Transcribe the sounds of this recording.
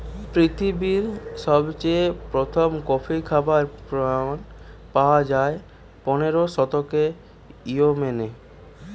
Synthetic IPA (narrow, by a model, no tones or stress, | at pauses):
pɾit̪ʰibiɾʃɔbt͡ɕepɾot̪ʰomkɔfʰikʰabaɾpɾnpawad͡ʑae | pɔneɾoʃɔt̪oke | iomene